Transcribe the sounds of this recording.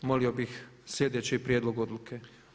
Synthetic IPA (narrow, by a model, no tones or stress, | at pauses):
moliobixslʲed̪et͡ɕipɾʲjeːd̪lo̞ɡod̪lukʰe